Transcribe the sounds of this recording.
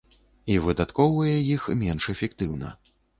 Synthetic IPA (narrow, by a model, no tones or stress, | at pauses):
ivɨd̪at̪kɔwvɐjɛjixmʲɛnʂɛfʲɛkt̪ɨwnɐ̰